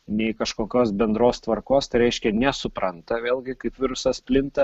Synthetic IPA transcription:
nʲɛɪkɐʃkoːkʲoːsbʲɛnd̪ɾoːst̪ʋɐɾkoːst̪ɐɪɾʲɛɪʃʲkʲɛnʲɛsʊpɾɐnt̪ɐʋʲeːlˠɡʲɪkɐɪpʋʲɪɾʊsɐspʲlʲɪnt̪ɐ

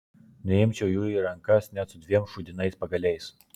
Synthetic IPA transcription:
nʲɛɪmʲt͡ʃʲɛʊjuːiɾɐŋkɐsnʲæt̪sʊd̪ʲʋʲiɛmʃʊd̪ʲɪnɐɪspɐɡɐlʲɛɪs

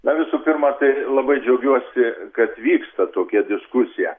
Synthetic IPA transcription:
nɐʋʲɪsʊpʲɪrmɐt̪ɐɪlˠɐbɐɪd͡ʒʲɛʊɡʲuɔsʲɪkɐt̪ʋʲiːkst̪ɐt̪oːkʲɛd̪ʲɪskʊsʲɪjɛ

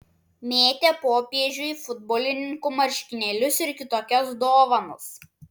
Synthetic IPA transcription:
mʲeːt̪ʲepoːpʲeɛʒʲʊfʊd̪̚boːlʲɪnʲɪŋkʊmɐɾʲʃʲkʲɪnʲɛlʲʊsɪɾkʲɪt̪oːkʲɔsd̪oːʋɐnʊs

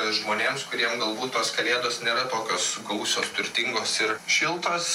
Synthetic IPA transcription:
ʒmoːnʲeːmskʊɾʲiɛmɡɐlˠbuːt̪t̪oːskɐlʲeːd̪oːsnʲeːɾɐt̪oːkʲoːsɡɐʊsʲoːst̪ʊɾʲt̪ʲɪŋɡoːsɪɾʃʲɪlˠt̪oːs

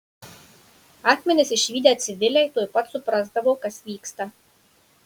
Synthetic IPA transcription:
ɑːxʲmʲɛnʲɪsɪʃʲʋʲiːd̪ʲɛɐt̪sʲɪʋʲɪlʲɛɪt̪oːjpɐt̪sʊpɾɐzd̪ɐʋoːkɐsʋʲiːkst̪ɐ

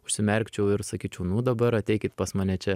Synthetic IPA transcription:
ʊʃʲsʲɪmʲɛɾʲkt͡ʃʲɛʊɪɾsɐkʲiːt͡ʃʲɛʊnʊd̪ɐbɐɾɐt̪ʲɛɪkʲɪt̪pɐsmɐnʲɛt͡ʃʲɛ

